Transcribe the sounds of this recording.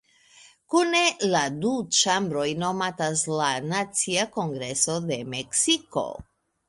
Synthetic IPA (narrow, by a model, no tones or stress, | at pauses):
kune̞ladut͡ʃambɾo̞jno̞mataslanat͡siako̞ŋɡɾe̞so̞de̞meksiko̞̰